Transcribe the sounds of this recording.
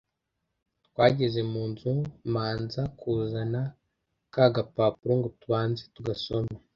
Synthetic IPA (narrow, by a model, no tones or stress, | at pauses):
twaːɟe̞zemuːnzumaːnzakʰuːzana | kaɡapapuɾoŋɡotuβaːnze̥tuɡaso̞me